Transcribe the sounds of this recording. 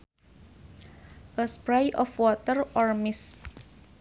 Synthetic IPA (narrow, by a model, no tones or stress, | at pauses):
ʔəspɾajʔɔfwɔt̪ərɔrmɪs